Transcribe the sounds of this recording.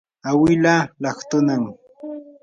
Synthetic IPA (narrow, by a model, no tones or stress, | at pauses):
awɪlalɑχt̪ʊnaŋ